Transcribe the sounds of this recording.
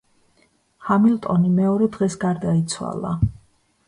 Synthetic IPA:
χamilt̪ʼɔnimɛɔɾɛd̪ʁɛsɡaɾd̪ait̪sʰwa̰lˠa̰

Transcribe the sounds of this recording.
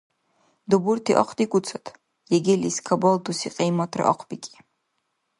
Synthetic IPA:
duburtʰiʔa̰qʷʰtʼikʷʼut͡sʰatʰʼ | jeɡʲiliskʰaboldusiqʼejmatʰra̰ʔa̰qʷʰbikʲʼi̥

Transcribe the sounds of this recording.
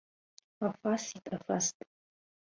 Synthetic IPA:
afasitʼafastʼ

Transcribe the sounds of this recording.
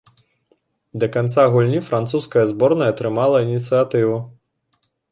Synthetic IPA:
d̪ɐkant̪saɣulʲnʲifɾant̪suskɐjɐzbɔrnɐjɐt̪ɾɨmalˠɐinʲit̪sɨjat̪ɨvu

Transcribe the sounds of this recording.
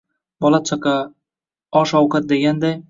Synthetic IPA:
bɒlˠat͡ʃʰaqɑ | ɒʃɒwqat̪̚d̪e̞ɡʲand̪aj

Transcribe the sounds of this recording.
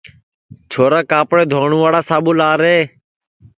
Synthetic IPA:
t͡ʃʰoːɾaːkaːpɽeːd̪ʱoːɳũːʋaːɽaːsaːɓuːlaːɾeː

